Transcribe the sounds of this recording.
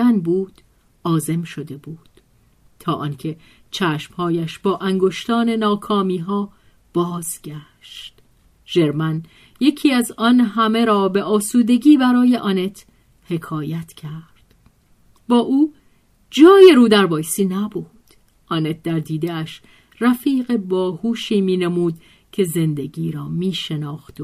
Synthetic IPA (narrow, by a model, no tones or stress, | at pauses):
ænbuːd̪̥ | ʔɒːze̞mʃo̞d̪e̞buːd̪̥ | t̪ʰɒːʔɒːncʰe̞ | t͡ʃʰæːʃmhɒːjæʃb̥ɒːʔæŋɡo̞ʃt̪ɒːne̞nɒːkʰɒːmiːɦɒː | b̥ɒːzɟæ | ʃt̪ | ʒ̥e̞ɾmæn | je̞cʰiːæzɒːnɦæme̞ɾɒːbe̞ʔɒːsuːd̪e̞ɟiːbæɾɒːje̞ʔɒːne̞t̪ʰ | he̞kʰɒːjæt̪ʰcʰæɾd̪̥ | bɒːʔuː | d͡ʒɒːje̞ɾuːd̪æɾbɒːjsiːnæbud̪̥ | ʔɒːne̞t̪̚d̪æɾd̪iːd̪eæʃ | ræfiːɢe̞bɒːhuːʃiːmiːnemuːd̪ | cʰe̞ze̞nd̪e̞ɡiːɾɒːmiːʃe̞nɒːxt̪